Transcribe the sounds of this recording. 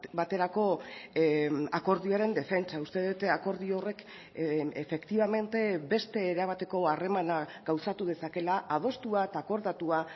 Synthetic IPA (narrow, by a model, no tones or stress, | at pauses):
bat̪e̞ɾako̞ | ako̞ɾðioaɾe̞nd̪e̞fe̞nt͡saust̪e̞ðut̪ako̞ɾðio̞re̞k | efe̞kt̪iβame̞nt̪e̞be̞st̪e̞ːɾaβ̞at̪e̞ko̞are̞manaɡ̥awsat̪uð̞e̞sake̞laʔað̞o̞st̪uaet̪ako̞ɾðat̪ua